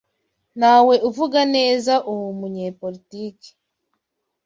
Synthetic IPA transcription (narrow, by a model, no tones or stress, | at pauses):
naːwe̞ʔuvuɡane̞ːzaʔuwumuɲepolitiːki̥